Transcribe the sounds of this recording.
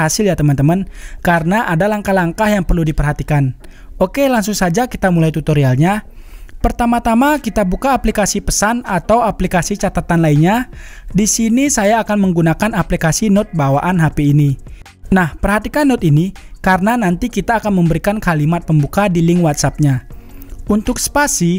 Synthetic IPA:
asɪljat̪əmant̪əmənkaɾənaʔadalaŋkahlaŋkahjaŋpərludipərɦat̪ikan | okelaŋsuŋsad͡ʒakit̪amulajt̪ut̪oɾialɲapərt̪amat̪amakit̪abukaːplikasipəsanat̪awaplikasit͡ʃat̪at̪anlainɲadisinisajaːkanməŋɡunakanaplikasinɔt̪̚bawaʔanɦapiːni | nahpərɦat̪ikanːɔt̪ini | kaɾənanant̪ikit̪aːkanməmbəɾikankalimat̪̚pəmbukadiliŋwat̪̚sap̚ɲa | unt̪ʊk̚spasi

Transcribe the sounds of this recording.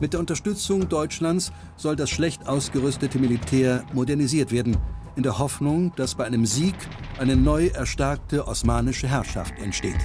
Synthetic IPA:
mɪtd̥eːɐʊntɐʃtʏt͡sʊŋdɔʏt͡ʃlans | z̥ɔldasʃlɛçtʔaʊsɡ̥əʁʏstətʰəmilitʰɛːɐmodɛɐniziːɐtv̥eːɐdn̩ʔɪndeːɐhɦɔfnʊŋd̥asb̥aɪʔaɪnəmziːk | ʔaɪnənɔʏʔɛɐʃtɛɐk̚təʔɔsmaːnɪʃəɦɛɐʃa̰ftɛ̰ntʃtḛːt

